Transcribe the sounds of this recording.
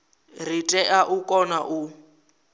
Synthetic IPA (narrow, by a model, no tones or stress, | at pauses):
ritʼɛʔaʔukʼɔnaʔu